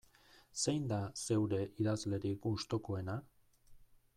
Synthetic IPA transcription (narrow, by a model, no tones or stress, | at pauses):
se̞jnd̪ase̞wɾe̞ʔiðazle̞ɾikust̪o̞ko̞e̞na